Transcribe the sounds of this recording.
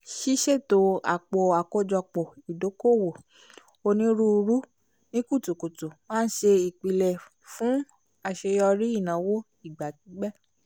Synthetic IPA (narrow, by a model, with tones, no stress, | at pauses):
ʃi˦ʃe˦˨to˧a̰˨k͡po˨a˨ko˧d͡ʒɔ˧k͡po˨i˨do˨˦ko˦˨wo˨ | o˧nĩ˧˦ɾu˦˧ɾu˦ | nĩ˦ku˦˨tu˨ko˨tu˨mãː˦n̩˦ʃe˧i˨k͡pi˨˧lɛ˨ | fũ˨˦ | a˧ʃe˧jɔ˧ɾi˦i˦˨nã˨˦wo˦ | i˦˨ɡ͡ba˨ti˨˦ɡ͡bɛ˦